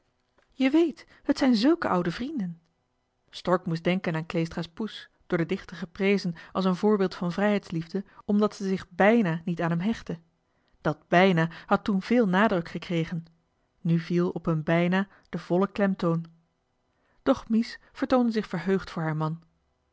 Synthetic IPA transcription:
jəʋejt | hətsɛjnzɵlˠkəʔʌwdəvrindən | stɔɹkmus̬dɛŋkənaːnklejstraːspusd̥ʊːɹdədɪχtəχəprejzənʔɑlˠs̬ənvʊːɹbɪːlˠtfɑnvrɛjɦɛjtslivdəɔmdɑtsəzɪχbɛjnaːnitaːnɦɛmɦɛχtə | d̥ɑd̚bɛjnaːhɑtunv̥ɪːlˠnaːdrɵkχəkrejχən | nyvilˠɔpənbɛjnaː | d̥əv̥ɔləklɛmtown | d̥ɔχmis | v̥əɹtowndəzɪχfəɹɦøɥχtfʊːɹɦaːɹmɑn

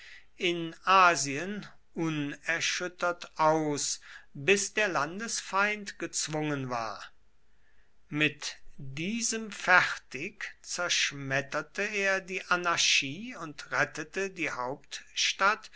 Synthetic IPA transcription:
ʔɪnʔaːziən | ʔʊnɛɐʃʏtɐtʔaʊsbɪsd̥eːɐlandəsfaɪ̃ntɡ̥ət͡sv̥ʊŋənva̰ːɐ | mɪtdiːzəmfɛχtɪkt͡sɛɐʃmɛtɐtəeːɐdiːʔanaʃiːʊntʁɛtətədiːhaʊp̚tʃtat

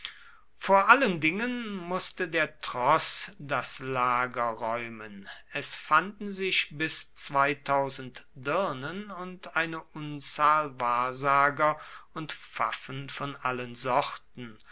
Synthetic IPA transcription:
foːɐʔaləndɪŋənmʊstədeːɐtʁ̥ɔsdaslaːɡɐʁɔʏmənʔɛsfandn̩zɪçbɪst͡sv̥aɪtʰaʊzn̩tdɪɐnənʊntʔaɪnəʔʊnt͡saːlvaːɐzaːɡɐʊntfa̰fn̩fɔnʔalənzɔʁtn̩

